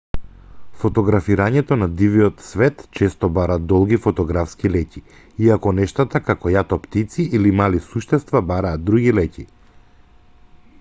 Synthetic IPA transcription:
fɔt̪ɔɡɾafiɾaɲɛt̪ɔnad̪iviɔt̪svɛt̪t͡ʃɛst̪ɔbaɾat̪d̪ɔlˠɡifɔt̪ɔɡɾafskilɛci | iakɔnɛʃt̪at̪akakɔjat̪ɔpt̪it̪siʔilimalisuʃt̪ɛst̪vabaɾaːt̪ːɾuɡilɛci

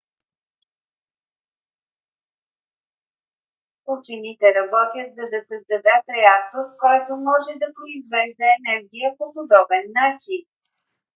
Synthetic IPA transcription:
ut͡ʃinit̪ɛɾɐbɔt̪jət̪zɐd̪ɐsəzd̪ɐd̪ɛt̪ɾɛak̚t̪oɾkɔjt̪omɔʒɛd̪ɐpɾoizvɛʒd̪ɐɛnɛɾɡʲijəpopod̪ɔbɛnːat͡ʃin

